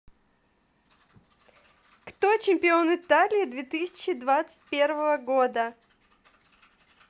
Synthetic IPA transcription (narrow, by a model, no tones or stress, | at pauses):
kt̪ot͡ɕɪmʲpʲɪo̞nɪt̪alʲɪɪd̪vʲet̪ɨsʲɪ̥t͡ɕɪd̪vat̪sɨ̥t̚ʲpʲe̞rvəvəɡo̞d̪ə